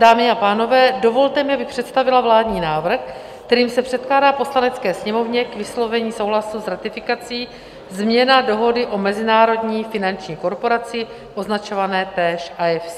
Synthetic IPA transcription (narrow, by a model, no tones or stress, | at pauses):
daːmɪapaːno̞vɛːdo̞vo̞lt̪ɛmɪabɪpr̥ɛt̪st̪avɪlavlaːdɲiːnaːvr̩x | kt̪ɛɾiːmsɛpr̝̥ɛt̪̚klaːdaːpo̞slanɛt͡skɛːsɲɛmo̞vɲɛkvɪslo̞vɛɲiːso̞wɦlasuzɾat̪ɪfɪkat͡siː | zmɲɛnado̞ɦo̞dɪʔo̞mɛzɪnaːɾo̞dɲiːfɪnant͡ʃɲiːko̞ɾpo̞ɾat͡sɪ | ʔo̞znat͡ʃo̞vanɛːt̪ɛːʃʔajɛfs